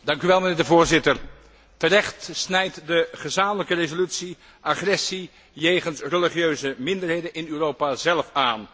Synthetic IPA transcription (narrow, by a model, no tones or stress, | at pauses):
dɑŋkyʋɛlˠmənɪːɹdəvʊːɹzɪtəɹ | tərɛχtsnɛjtdəχəzaːmələkərezolytsi | ʔaχrɛsi | jejχənsrəliχjøɥzəmɪndəɹɦejdənɪnyːrowpazɛlˠfaːn